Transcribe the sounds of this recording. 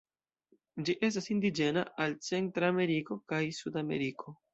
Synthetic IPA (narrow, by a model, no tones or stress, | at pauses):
d͡ʒiʔe̞s̬tasindid͡ʒe̞na̰ʔalt͡se̞ntɾame̞ɾiko̞kajsudame̞̰ɾikʰo̞